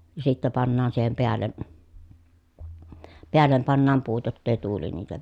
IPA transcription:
jɑ sitːæ pɑnːɑːn siːhem peælːe peælːem pɑnːɑːm puːt jotː eˑi tuːli niːtæ

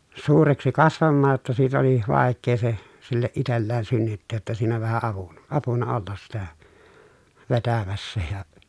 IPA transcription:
suːreksi kɑsʋɑmːɑːj jotːɑ siːt oli ʋɑˑekːeː se silːeʔ ʔitelːeːn synːytːeːj jotːɑ siːnæ ʋæhæ ɑʋun ɑpunɑ olːɑs sitæ ʋetæmæsːæ jɑ

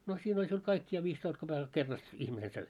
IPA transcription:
no siːn olʲ siul kɑik jɑ ʋiːstoist kob̥ekɑl kerːɑst ihmine søi

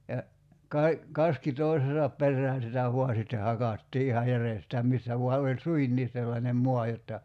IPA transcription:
jɑ kɑi̞ kɑski toisesɑp perːæːn̞ sitæ ʋuɑ sitːe hɑkɑtːiː ihɑ jærestæː misːæ ʋuɑ olʲ suinːiːs selːɑnem moɑ jotːɑ

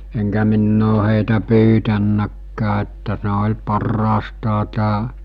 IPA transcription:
eŋkæ minː oː heˑitæ pyːtænːækːæː etːæ ne olʲ pɑrːɑːstɑː tæː

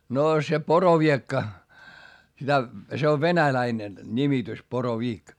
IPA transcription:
noː se poroʋiekːɑ sitæ se oʋ ʋenælæinen nimitys poroʋiːk

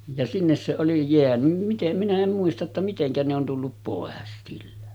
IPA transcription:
jɑ sinːes se oli jeænym mitem minæ em muistɑ tːɑ miteŋkæ ne on tulːup poˑes silːæ

